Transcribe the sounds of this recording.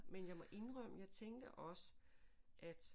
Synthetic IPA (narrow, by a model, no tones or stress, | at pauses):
menjɑ̈ɪmɒ̽ʔe̝nʁœm̰əjɑ̈ɪt͡sʰeŋd̥əʔɒ̽səʔæd̥